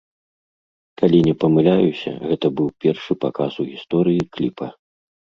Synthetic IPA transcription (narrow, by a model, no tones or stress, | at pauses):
kalʲinʲɛpɐmɨlʲajusʲɐ̰ɣɛt̪ɐbɨwpʲɛrʂɨpakasuɣʲist̪ɔɾɨjiklʲipʰɐ